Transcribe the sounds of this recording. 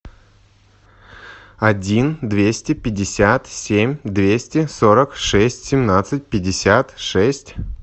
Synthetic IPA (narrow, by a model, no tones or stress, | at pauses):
ɐdʲind̪vʲesʲtʲɪpʲɪdʲːɪsʲat̪sʲemʲd̪vʲesʲtʲɪsoɾəkʂɛsʲtʲsʲɪmnat̪sɨt̚ʲpʲɪdʲːɪsʲat̪ʂɛsʲtʲ